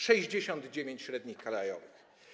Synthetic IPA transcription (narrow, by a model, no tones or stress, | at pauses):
ʂɛʑd͡ʑeɕɔnd̪d͡ʑevʲẽɲt͡ɕɕɾɛd̪ɲixkalajɔ̰vɨx